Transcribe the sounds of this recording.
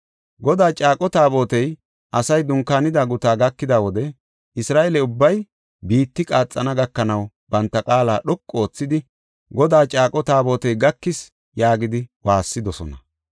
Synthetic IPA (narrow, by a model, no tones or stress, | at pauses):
ɡɔd̪aːt͡ʃʼaːkʼɔt̪aːbo̞ːt̪ɛj | ʔɐsɐjd̪ʊŋkaːnɪd̪aːɡʊt̪aːɡɐkːɪd̪aːwɔd̪ɛ | ʔɪsɾaːʔelɛʊbːɐj | biːt̪ːɪkʼaːt͡sʼːɐnɐɡɐkːɐnɐw | bɐnt̪ːɐkʼaːlaːɗɔkʼːo̞ːt͡sːɪd̪ɪ | ɡɔd̪aːt͡ʃʼaːkʼɔt̪aːbo̞ːt̪ɛjɡɐkːɪs | jaːɡɪd̪ɪwaːsːɪd̪ɔsɔ̰nɐ